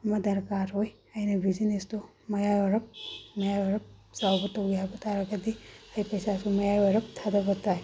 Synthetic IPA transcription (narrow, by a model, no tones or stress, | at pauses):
mɐdɐɾkaɾɦoj | ɐjnɐbʱizinesto | mɐjajɐɾɐp̚mɐjajɐɾɐp̚zawbɐtɐwɡijabɐtʰaɾɐɡɐdiajpɐjsasumɐjajɔɾɐp̚tʰadɐɡɐtaj